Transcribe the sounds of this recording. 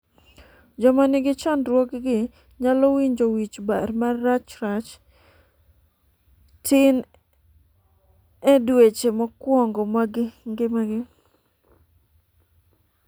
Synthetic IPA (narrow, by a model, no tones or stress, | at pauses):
d͡ʒɔmanɪɡɪt͡ʃandɾwɔkɡɪ | ɲalɔwiɲd͡ʒowit͡ʃbaɾmaɾat͡ʃɾat͡ʃ | tʰɪn | ɛdwet͡ʃemɔkwɔŋɡɔmaɡɪŋɡɪmaɡɪ